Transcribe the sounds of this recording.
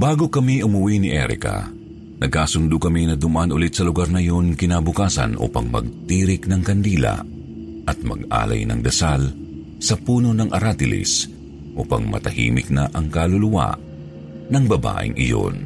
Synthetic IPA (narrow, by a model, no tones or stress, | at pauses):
baːɡokɐmiʔʊmʊwinɪʔɛ̰ɾɪ̰ka̰ | nɐɡ̚kaːsʊnd̪ʊkɐminɐd̪ʊmʔɐnʔʊlɪt̪̚sɐlʊɡaɾnɐjo̞nkɪnaːbʊkaːsɐ̰nʔṵːpɐ̰ŋmɐ̰ɡ̚t̪iːɾɪknɐŋkɐnd̪iːlɐ̰ | ʔɐt̪̚mɐ̰ɡʔa̰ːlɐ̰jnɐ̰ŋd̪ɐsal | sɐpuːno̞nɐŋʔɐɾat̪ɪlɪ̰s | ʔuːpɐŋmɐ̰t̪ɐhḭːmɪ̰k̚nɐʔɐŋkalʊlʊwa̰ | nɐŋbɐba̰ːʔɪ̰ŋʔɪ̰jo̰n